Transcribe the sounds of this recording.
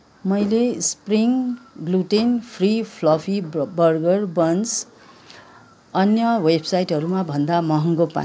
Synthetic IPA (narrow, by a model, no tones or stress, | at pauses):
mʌjlespriŋɡluʈinpʰripʰlʌpʰibʌrɡʌrbʌns | ʌnjʌwebsajʈɦʌɾumabʱʌnd̪amʌɦʌŋɡopa̰